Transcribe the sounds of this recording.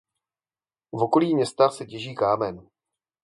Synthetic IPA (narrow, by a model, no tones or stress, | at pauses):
vo̞ko̞liːmɲɛst̪axsɛcɛʒiːkaːmɛn